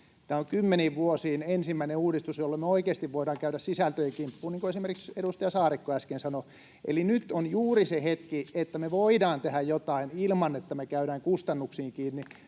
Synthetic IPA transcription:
t̪æːoŋkymːeniːʋʋuosiːnensimːæineuːɾist̪usjolːemeoikeːst̪iʋʋoidɑːŋkæyɾæssisælt̪øjekimpːuːniːŋkoesimerkikseɾust̪ɑjɑsɑːrikːoæskensɑno | ʔḛlinyt̪onjuːrisehet̪kiet̪ːæmeʋoidɑːnt̪ehæjjot̪ɑinilmɑnet̪ːæmekæyɾæːŋkust̪ɑnːuksiːŋkiːnːi

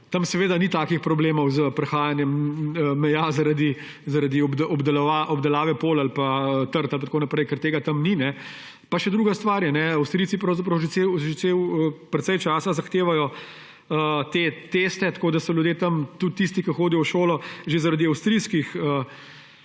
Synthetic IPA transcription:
t̪ɐmsɛʋeːd̪anit̪aːkixpɾɔbleːmɔwzəpɾɛxaːjanjɛməmɛjazaɾad̪i | zaɾad̪iɔb̪ʔɔbd̪ɛlʋaʔɔbd̪ɛlaːʋɛpoːlalpaət̪əɾt̪alp̬at̪konɐpɾɛjkɛɾt̪eːɡat̪ɐmninɛ | paʃɛd̪ɾuːɡast̪ʋaːɾjɛnɛɐwst̪ɾitsipɾɐwzɐp̬ɾɐwʒesewʒɛtsewəpɾɛt̪sɛjt͡ʃaːsazɐxt̪eːʋajɔ | ət̪et̪est̪ɛt̪koːd̪asɔljud̪jeːt̪ɐmt̪ut̪ːist̪ikɐxoːd̪ijɔwʃoːlɔʒezaɾad̪iɐwst̪ɾiskixə

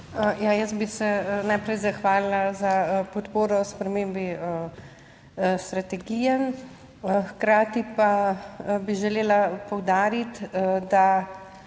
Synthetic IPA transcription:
jajəsbisɛnajpɾɛjzaxʋaːlilazapɔt̪poːɾɔspɾɛmeːmbiə | st̪ɾat̪ɛɡijɛn | xkɾaːt̪ipa | biʒɛleːlapɔwd̪aːɾit̪d̪a

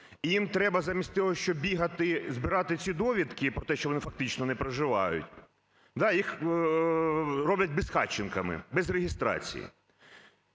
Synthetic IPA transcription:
ijimt̪ɾɛbɐzamʲisʲtʲt̪ɔɦɔʃt͡ʃɔbʲiɦɐt̪ɪzbɪɾɑt̪ɪt͡sʲid̪ɔʋʲit̪kɪpɾɔt̪ɛʃt͡ʃɔʋɔnɪfɐk̚t̪ɪt͡ʃnɔnɛpɾɐʒɪʋɑjʊ̰tʲ | d̪ɑjix | ɾɔblʲɐt̚ʲbɪsxɑ̰t͡ʃːɪnkɐmɪ̰bɛzɾeɦʲist̪ɾɑ̰t͡sʲḭjḭ

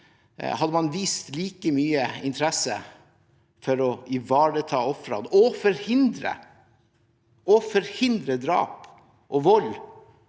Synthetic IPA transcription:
hɑd̪əmɑnʋiːst̪liːkəmyːəɪnt̪ʰəɾɛsə̰ | fɔɾɔɪʋɑːɾət̪ʰɑːɔfɾɑ̰d̪ɔfɔɾhɪnd̪ɾə̰ | ɔfɔɾhɪnd̪ɾəd̪ɾɑ̰ːp | ʔɔʋɔl

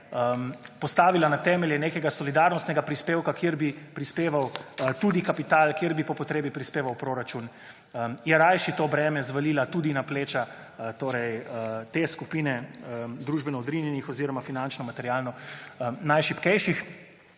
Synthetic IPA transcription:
pɔst̪aːʋilanat̪ɛːmɛljɛnekɛɡasɔlid̪aɾnɔst̪nɛɡapɾispeːwkakjeɾbipɾispeːʋawt̪uːd̪ikapit̪aːlkjeɾbipɔpɔt̪ɾeːbipɾispeːʋawpɾoːɾat͡ʃun | jɛɾajʃit̪oːbɾɛːmɛzʋalilat̪ud̪inapleːt͡ʃa | t̪oːɾɛjt̪eskupinɛd̪ɾuːʒbɛnɔɔd̪ɾinjɛnixɔziːɾɔmafinant͡ʃnɔmat̪ɛɾjalnɔ | najʃipkɛjʃix

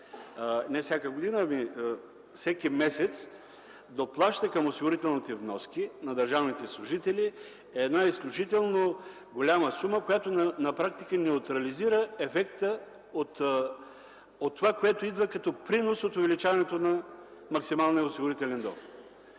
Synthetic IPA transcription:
nɛfsʲjakəɡod̪inəmi | fsɛkʲimɛsɛt̪s | d̪oplˠaʃt̪əkɐmosiɡʊɾit̪ɛlˠnit̪ɛvnɔskinɐd̪ɐɾʒavnit̪ɛslˠʊʒit̪ɛli | ɛːd̪naisklʲʊt͡ʃit̪ɛlˠno | ɡolʲaməsuməkojat̪onɐnɐpɾak̚t̪ikənɛʊt̪ɾɐliziɾəɛfɛkt̪ə | ot̪ | ot̪ːovakoɛt̪oid̪vəkɐt̪ɔpɾinosot̪ʊvɛlit͡ʃavɐnɛt̪onɐmɐksimalˠniəosiɡʊɾit̪ɛlɛnd̪ɔ̰xt̪

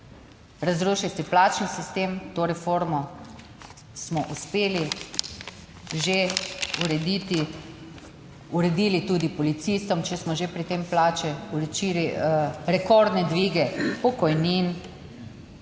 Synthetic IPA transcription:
ɾazɾuːʃist̪ɛplaːt͡ʃnisist̪eːmt̪oːɾɛfoɾmɔ | smɔʔuspeːli | ʒeuɾɛd̪it̪i | uɾɛd̪iːlit̪ud̪ipɔlit̪siːst̪ɔmt͡ʃɛsmɔʒepɾit̪emplaːt͡ʃɛuɾɛt͡ʃiɾiɾɛkɔɾd̪nɛd̪ʋiːɡɛpɔkɔjniːn

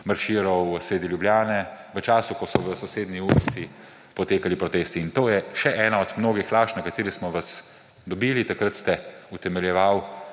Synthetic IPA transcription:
maɾʃiːɾɔwseːd̪iljubljaːnɛʋət͡ʃaːsukɔsɔʋəsɔseːd̪niuːlisi | pɔt̪eːkalipɾɔt̪eːst̪iːnt̪oːjɛʃɛʔɛːnaɔd̪mnoːɡixlaːʃnɛkat̪eːɾismɔʋas | d̪ɔbiːlit̪akɾət̪st̪ɛut̪ɛmɛljɛʋaw

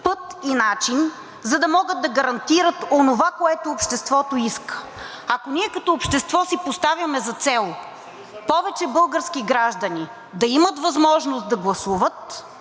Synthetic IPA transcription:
pɤt̪inat͡ʃin | zɐd̪ɐmɔɡəd̪̚d̪ɐɡɐɾɐnt̪iɾət̪onovakoɛt̪oːpʃt̪ɛst̪vɔt̪oiskə̥ | ɐkonʲiɛkɐt̪ɔopʃt̪ɛst̪vɔsipost̪avʲjɐmɛzɐt̪sɛlˠ | pɔvɛt͡ʃɛbɤlˠɡəɾskiɡɾaʒd̪ɐni | d̪ɐimət̪vɐzmɔʒnost̪̚d̪ɐɡlˠɐsuvət̪̚

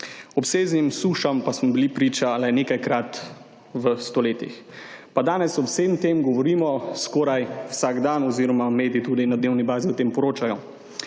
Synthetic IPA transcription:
ɔpseːznimsuːʃampasmɔbilipɾiːt͡ʃalɛneːkajkɾat̪ | ʋəst̪ɔleːt̪ḭx | pad̪aːnɛsɔseːmt̪eːmɡɔʋɔɾiːmɔskɔːɾajwsaɡd̪anɔziːɾɔmameːd̪it̪uːd̪inad̪neːwnibaːziwt̪eːmpɔɾoːt͡ʃajɔ

